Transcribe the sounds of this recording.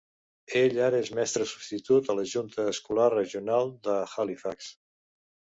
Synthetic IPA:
eʎaɾəezmɛst̪ɾəsu̥bst̪it̪ut̪ələʒunt̪əːskularəʒiunalˠd̪əxalifaks

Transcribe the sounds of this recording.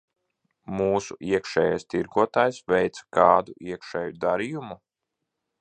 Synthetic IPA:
muːsuʔiɛkʃɛːjajst̪iɾɡuɔt̪aːjsvɛjt̪skaːd̪uʔiɛkʃɛːjud̪aɾijumu

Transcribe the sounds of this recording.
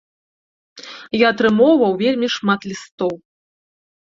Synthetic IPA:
jaɐt̪ɾɨmɔwvɐwvʲelʲmʲiʂmat̪lʲist̪ɔw

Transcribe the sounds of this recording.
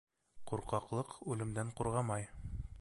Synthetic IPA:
quɾqɑqlˠɤqʉlɘ̆md̪æɴquɾʁɑmɑj

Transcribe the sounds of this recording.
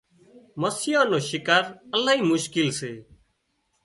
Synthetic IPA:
məsɪjãːnoːʃɪkaːɾəlaːɦiːmʊʃkɪlseː

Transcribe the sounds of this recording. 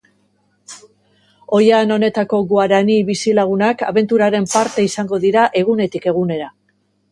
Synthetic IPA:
o̞jano̞ne̞t̪ako̞ɣuaɾaniβisilaɣ̞unaka̰βe̞nt̪uɾaɾe̞mpaɾt̪e̞isaŋɡo̞ðiɾaʔe̞ɣ̞une̞t̪ike̞ɣ̞une̞ɾa

